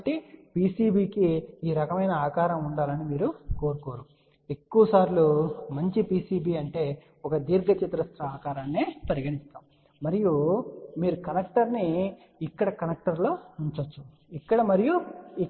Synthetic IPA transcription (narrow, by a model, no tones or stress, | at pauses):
ʈipiːsiːbiːkiiːɾɐkɐmɐjnɐaːkaːɾɐmuɳɖaːlɐnimiːɾuko̞ːɾuko̞ːɾu | e̞kːuʋɐsaːɾlumɐɲt͡ʃipiːsiːbiːɐɳʈe̞ː | ɔkɐd̪iːɾɡɐt͡ʃit̪ɾɐst̪ɾɐaːkaːɾaːnːeːpɐɾiɡɐɽist̪aːm | mɐɾijumiːɾukɐnɐk̚ʈɐɾniː | kːɐɽɐkɐnɐk̚ʈɐɾlo̞ːuɲt͡ʃɐt͡ʃːu̥ | ikːɐɽɐmɐɾiju